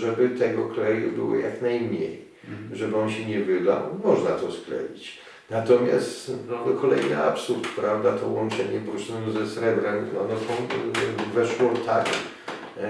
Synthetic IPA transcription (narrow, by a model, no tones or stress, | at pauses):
ʐɛbɘt̪ɛɡɔklɛjubɘ̰wɔ̰jaknajmɲḛj | ʐɛbɘɔnɕɛɲɛvɘd̪a̰wmɔʐnat̪ɔsklɛ̰jit͡ɕ | nat̪ɔmʲja̰st̪nɔd̪kʰɔlɛjna̰apsuɾt̪kt̪uɾavd̪at̪ɔwɔnt͡ʂɛɲɛpɔɾuʂɔnɪmzɛsɾɛbɾɛmɔnɔsɔ̃w̃vɛʂwɔt̪ʰakʲi